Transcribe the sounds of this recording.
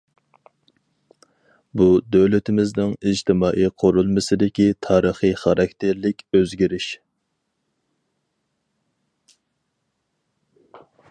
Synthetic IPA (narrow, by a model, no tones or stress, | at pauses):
bud̪øwlɪt̪ʰɪmɪznɪŋid͡ʒt̪ʰɪmɑːʔijqʰoɾulˠmɨsɨd̪ɪkʲit̪ʰɑːɾəχɨχɑɾɑk̚ʲt̪ʰeɾlɪkʲøzɡʲiɾɪʃ